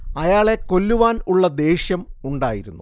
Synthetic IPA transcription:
ɐjaːɭe̞ko̞lːuʋaːnuɭːɐd̪e̞ːɕjɐmuɳɖa̰ːjiɾunːu

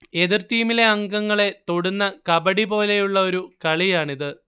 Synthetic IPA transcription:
e̞ðirt̪iːmileɐŋɡɐŋːɐɭe̞t̪o̞ɽunːɐkɐbɐɽipo̞ːle̞juɭːɐo̞ɾukɐɭijaːɳiðɨ

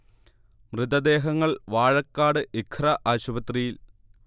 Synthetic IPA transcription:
mrɨd̪ɐd̪e̞ːɦɐŋːɐɭʋaːɻɐkːaːɽɨʔikʰrɐʔaːɕubɐt̪rijil

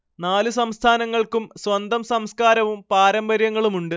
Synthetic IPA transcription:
naːlusɐmst̪ʰaːnɐŋːɐɭkumsʋɐnd̪ʱɐmsɐmskaːɾɐʋumpaːɾɐmbɐɾjɐŋːɐɭumuɳɖɨ

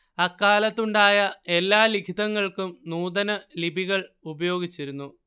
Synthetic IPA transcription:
ɐkːaːlɐt̪ːuɳɖaːjɐe̞lːaːlikʰid̪ɐŋːɐɭkumnuːd̪ɐnɐlibʱiɣɐɭubɐjo̞ːɡit͡ɕːiɾunːu

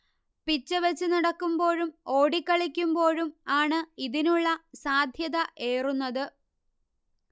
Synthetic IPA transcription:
pit͡ɕːɨʋɐt͡ɕːɨnɐɽɐkːumbo̞ːɻumo̞ːɽikːɐɭikʲːumbo̞ːɻumaːɳɨiðinuɭːɐsaːd̪ʱjɐðɐʔe̞ːrunːɐðɨ

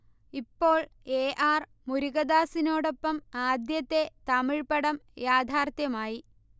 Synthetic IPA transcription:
ipːo̞ːɭeːʔaːr | muɾuɣɐd̪aːsino̞ːɽo̞pːɐmaːd̪jɐt̪ːet̪ɐmiɻpɐɽɐmjaːd̪ʱaːrt̪jɐmaːji

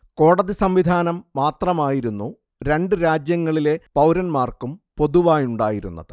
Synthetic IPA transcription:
ko̞ːɽɐðisɐmʋid̪ʱaːnɐmːaːt̪rɐmaːjiɾunːu | ɾe̞ɳɖɨɾaːd͡ʑjɐŋːɐɭile̞pɐwɾɐnmaːrkumpo̞ðuʋaːjuɳɖa̰ːjiɾṵnːɐ̰ðɨ

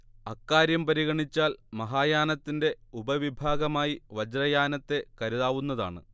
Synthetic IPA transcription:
ɐkːaːɾjɐmpɐɾiɣɐɳit͡ɕːaːlmɐɦaːjaːnɐt̪ːinde̞ubɐʋibʱaːɡɐmaːjiʋɐd͡ʑrɐjaːnɐt̪ːe̞kɐɾuðaːʋunːɐðaːɳɨ̰

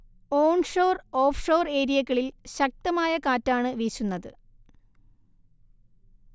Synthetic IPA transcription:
o̞ːɳʂoːro̞ːfʂo̞ːre̞ːɾijɐɣːɐɭilɕɐk̚t̪ɐmaːjɐkaːtːaːɳɨʋiːɕunːɐðɨ̰

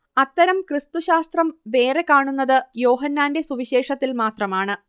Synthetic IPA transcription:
ɐt̪ːɐɾɐmkrɨst̪uɕaːst̪rɐmʋe̞ːre̞kaːɳunːɐðɨjo̞ːɦɐnːaːnde̞suʋiɕe̞ːʂɐt̪ːilmaːt̪rɐmaːɳɨ

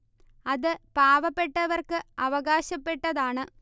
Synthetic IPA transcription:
ɐðɨpaːʋɐpːe̞ʈːɐʋɐrkɨɐʋɐɣaːɕɐpːe̞ʈːɐðaːɳɨ

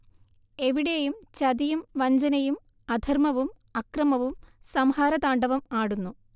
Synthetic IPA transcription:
e̞ʋiɽejumt͡ɕɐðijumʋɐɲd͡ʑɐnɐjum | ɐd̪ʱɐrmɐʋum | ɐkrɐmɐʋumsɐmhaːɾɐðaːɳɖɐʋɐmaːɽunːu

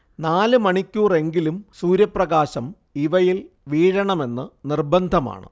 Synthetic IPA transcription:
naːlɨmɐɳikʲːuːre̞ŋɡilumsuːɾjɐprɐɣaːɕɐm | iʋɐjil | ʋiːɻɐɳɐme̞nːɨnirbɐnd̪ʱɐma̰ːɳɨ̰

